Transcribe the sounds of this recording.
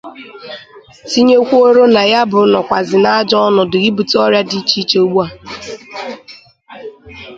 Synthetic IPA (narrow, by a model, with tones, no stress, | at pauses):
si˦ɲe˦kʷu˦o˦ɾo˦na˨ja˦bʊ˨˦nɔ˨kʷa˨zɪ˨na˦a˦d͡ʒɔ˦ɔ˦nɔ˨dʊ˨ɡi˦bu˨tɔ˦ɾja˦di˦t͡ʃi˦t͡ʃe˦o˨ɡ͡bu˦a˨